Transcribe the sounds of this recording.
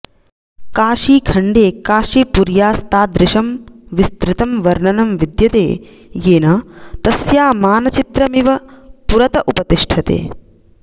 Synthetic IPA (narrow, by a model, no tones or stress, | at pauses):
kaːʃiːkʰɐɳɖeːkaːʃipuɾjaːst̪aːd̪ɾɪʃɐmʋist̪ɾɪt̪ɐmʋɐɾɳɐnɐmʋid̪jɐt̪eː | jeːnɐt̪ɐsjaːmaːnɐt͡ʃit̪ɾɐmiʋɐpuɾɐt̪ɐʔupɐt̪iʂʈʰɐt̪ḛː